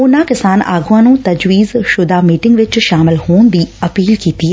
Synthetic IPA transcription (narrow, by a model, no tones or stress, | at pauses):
ʊnãːkɪsaːna̰ːɡʊ̃ãːnũːt̪ɐd͡ʒʋiːzʃʊd̪aːmiːʈɪ̃ŋɡʋɪt͡ʃʃaːmɪlhoːnd̪iːɐpiːlkiːt̪iːɦɛː